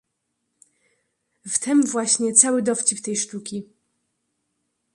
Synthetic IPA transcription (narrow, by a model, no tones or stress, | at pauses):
ft̪ɛmvwaɕɲɛt̪sawɘd̪ɔft͡ɕipt̪ɛjʂt̪ukʲi